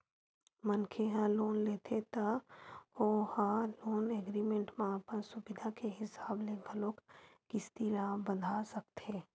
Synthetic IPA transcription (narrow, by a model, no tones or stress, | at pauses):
mənkʰeɦãloːnleːt̪ʰet̪a | ohãloːneɡɾimẽɳʈmẽəpənsʊbɪd̪ʱakeɦɪsaːbleɡəloːkːɪst̪iɾãbəd̪ʱasɐkt̪ʰeː